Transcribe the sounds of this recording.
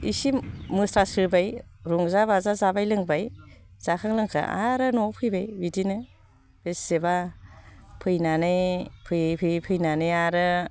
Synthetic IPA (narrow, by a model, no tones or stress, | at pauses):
ḭsimmɯsɾasɯbajɾuŋzabazazabajlɯŋbajz̥akʰaŋlɯŋkʰa̰a̰ɾɯnɔpʰɯjbajbidinɯ | b̥esːeba | pʰɯjnanɯjpʰɯjpʰɯjpʰɯjnanɯjaɾɯ